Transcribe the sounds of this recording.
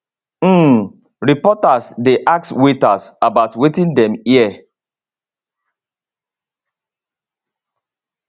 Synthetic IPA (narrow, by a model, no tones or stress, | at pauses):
ɾipɔtasdeʔak̚swetasabaʊtwetĩndɛmiɛ